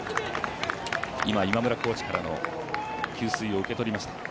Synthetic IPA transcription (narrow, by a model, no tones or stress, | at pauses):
imaimamɯ̟ɾako̞ːt͡ɕi̥kaɾano̞̰ | kʲɨːsɨio̞ɯ̟ke̞t̪o̞ɾʲimaɕi̥t̪ḁ